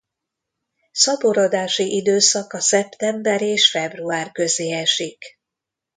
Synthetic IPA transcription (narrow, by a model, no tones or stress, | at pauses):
sɒboɾod̪aːʃiʔid̪øːsɒkɒsɛpt̪ɛmbɛɾeːʃfɛbruaːrkø̞zeːɛʃik